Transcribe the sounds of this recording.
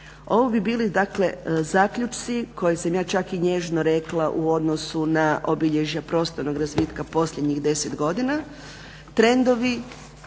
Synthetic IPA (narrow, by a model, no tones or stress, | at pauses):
o̞ʋibibiːlid̪akle̞zaːkʎut͡ʃt̪sikʰo̞jesamjaːt͡ʃakiɲe̞ʒnoɾeklˠaʔuo̞d̪nosunaʔobiʎe̞ʒjapɾo̞ːst̪oɾno̞ɡɾazʋiːt̪kapo̞slʲʎe̞d̪ɲixd̪e̞set̪ɡo̞d̪ina | t̪ɾe̞nd̪o̞ʋi